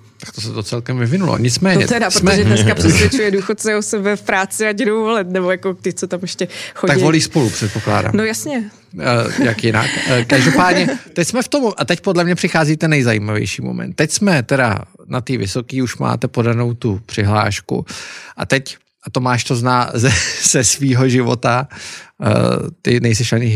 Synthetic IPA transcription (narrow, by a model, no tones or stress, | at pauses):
t̪ḁk̚t̪os̬ɛt̪o̞t͡sɛlkɛmvɪvɪnulo̰ɲɪt͡smɛːɲɛ̰ɛdaɾsomɛʒɛɛskaprɛsvjɛt͡ʃujɛduːxot̪̚sɛosɛbɛfpɾaːt͡sɪaɟdowvolɪt̪nɛbojakot̪ɪt͡sot̪amɛʃcɛxoaɡvo̞liːspo̞lupr̥ɛt̪̚po̞kla̰ːda̰ːmnojasɲɛ | jakjɪna̰kkaʒdopaːdɲɛt̪ɛcsmɛft̪omʔat̪ɛc̚podlɛmɲɛpr̝̥ɪxaːziːt̪ɛnːɛjzajiːmavjɛ̰jʃiːmo̞̰mɛ̰nt̪ːɛcsmɛt̪ɛɾa̰nat̪iːvɪso̞kiːuʃma̰ːt̪ɛpo̞dano̞wt̪upr̥ɪɦla̰ːʃkṵʔa̰t̪ɛc | ʔat̪omaːʃt̪oznaːzɛz̥ɛsviːɦo̞ʒɪvo̰t̪a̰ | t̪ɪnɛjs̬ɛʃaɲɪ